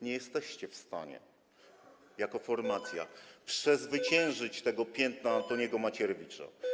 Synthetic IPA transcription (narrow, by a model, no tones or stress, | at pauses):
ɲɛjɛst̪ɛɕt͡ɕɛfst̪a̰ɲɛ̰ | jakɔfɔɾmat̪sʲja̰pʂɛzvɘt͡ɕɛ̃w̃ʐɘt͡ɕt̪ɛɡɔpʲjɛnt̪naːnt̪ɔɲɛɡɔmat͡ɕɛɾvʲit͡ʂa̰